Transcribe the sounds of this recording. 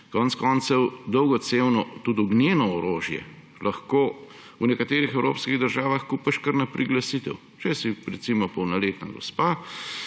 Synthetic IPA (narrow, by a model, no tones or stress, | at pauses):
kɔːnt̪skɔːnsɛwd̪ɔwɡɔt̪sewnɔt̪ud̪ɔɡnjeːnɔɔɾoːʒjɛ̰ | lʔɐxkoː | unɛkat̪eːɾixɛwɾo̰ːpskiɣd̪əɾʒaːʋaxkupɐʃkəɾnapɾʔiɡlasit̪ɛw | t͡ʃɛsiɾɛt̪simɔpɔwnɐleːt̪naɡɔ̰spaː